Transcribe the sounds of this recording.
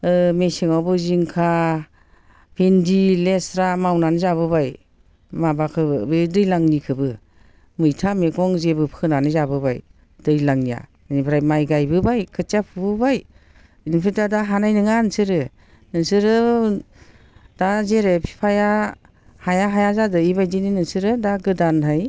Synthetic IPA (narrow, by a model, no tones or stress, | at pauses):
ɯmesiŋawbɯziŋkʰa | pʰendilesɾamawnanɯzaβɯbaj | mabakʰɯbɯbedɯjlaŋnikʰɯbɯ | mɯjtʰameɡɔŋzebɯpʰɯnanɯzabɯbaj | dɯjlaŋnija̰ | nibʰɾajmajɡajbɯbajkʰɯtjapʰɯbɯbaj | inpʰitadaɦanajnɯŋansɯɾɯ | nɯsɯɾɯ | d̥azeɾepʰi̥pʰaja | hajaɦajazadɯibajdininɯsɯɾɯdaɡɯdanɦaj